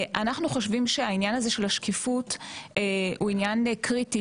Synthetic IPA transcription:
ʔanaχnuχo̞ʃvimʃeainjanaze̞ʃe̞laʃkifutː | uinjankʁiti

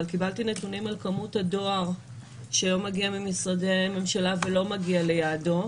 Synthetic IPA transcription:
lkibaltine̞tunimalkamuthado̞aʁ | ʃelo̞maɡiamimisʁademe̞mʃalavelo̞maɡiale̞jado̞

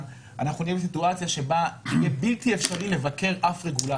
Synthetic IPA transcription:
ʔa̰naχnunijebes̬ituat͡sjaʃe̞baijebiltiefʃaʁile̞vake̞ʁʔafʁe̞ɡula

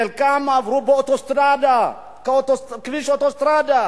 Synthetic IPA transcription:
ɛlkamaːvɾuboɔt̪ɔst̪ɾad̪a | kaot̪ɔskviʃɔt̪ɔst̪ɾaːd̪a

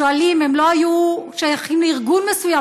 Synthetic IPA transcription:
oalime̞mlo̞ajuʃajaχimleiʁɡunmesuja

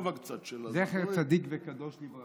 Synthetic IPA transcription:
vakt͡sat̪ʃzɛχɛʁt͡sad̪ikvɛkad̪ɔʃlivʁa

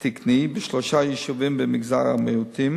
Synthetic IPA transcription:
t̪iknibɪʃlɔʃajiʃuvimbəmɪɡza̰ɾa̰mɛut̪ʰim

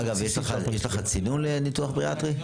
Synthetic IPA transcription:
aɡavjeʃleχajeʃleχat͡sinunlenituaχbʁiat̪ʁi

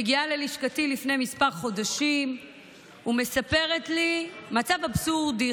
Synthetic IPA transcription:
ɡialeliʃkatilifnemispaʁχo̞daʃim | ume̞sape̞ʁetlimat͡savabsuʁd̪i

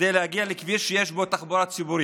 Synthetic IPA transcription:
ejlehaɡialekviʃejeʃbo̞t̪aχboɾat͡sibuɾi

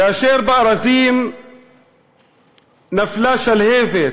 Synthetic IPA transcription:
jaːʃeːɾbaʔɾˤɑziːm | naflaːʃalheːfe

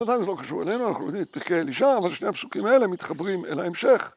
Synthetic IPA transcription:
nat̪ajnzelo̞kaʃuʁelejnuana̰χnuojod̪imlet̪̚piʁkealiʃaːvalʃnejapsu̥kimae̞lemit̪χabʁimelhaemʃe̞χ

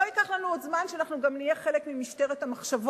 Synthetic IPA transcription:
oikaχlanuodzmanʃeaːnaχnuɡamnijeχe̞lekmimiʃte̞ʁet̪hamaχʃavo

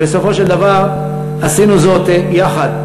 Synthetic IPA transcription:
beso̞fo̞ʃeld̪avaʁ | asinuzo̞t̪jaχad̪

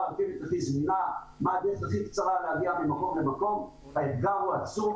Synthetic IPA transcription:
akimit̪aχizmina | maːd̪eʁeχaχikt͡saʁalehaɡiamemako̞mlemako̞m | haet̪ɡaʁuat͡sum

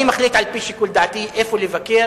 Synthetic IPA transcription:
imaxliːt̪ʕalpiʃikʊld̪aʕt̪iʔeːfulɪvakeːɾ

